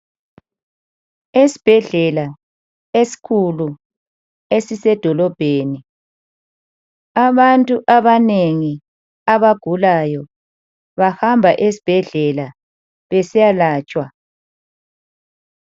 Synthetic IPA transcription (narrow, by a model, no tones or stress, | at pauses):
esi̥b̥ʱɛɮɛla | esi̥kʰulu | esisɛd̥ʱɔlɔb̥ʱeːni | aβantʼuʔaβaneŋi | aβaɡ̥ʱulajɔ | βahambʱaʔesi̥b̥ʱɛɮɛla | βɛsijalaːt͡ʃʼwa